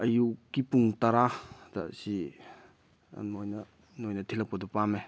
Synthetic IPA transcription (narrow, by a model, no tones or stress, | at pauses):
ɐjukːipuŋtaɾadasi | nojnɐ | nojnɐt̪ʰilɐp̚kɐdɔpame